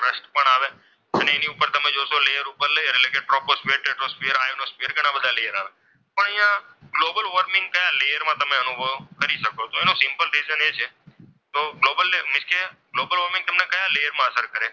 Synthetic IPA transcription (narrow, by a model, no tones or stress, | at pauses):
fɾəsʈpəɳaʋe | əneeniupəɾt̪əmed͡ʒoʃolejəɾupəɾlejəɾelẽkeʈɾoposfeəɾʈeʈɾospeəɾajonospeəɾɡʱəɽ̃ãbəd̪ʱalejəɾaʋe | pəɳəĩjãɡlobəlʋəɾmɪ̃ŋɡ̚kəjalejəɾmãt̪əmeənubʱəʋkəɾiʃəkot̪oenõsɪmpəlɾid͡ʒənet͡ʃʰe | t̪oɡlobəlːemɪʃkʰeɡlobəlʋəɾmɪ̃ŋɡt̪əmnekəjalejəɾmãəsəɾkəɾe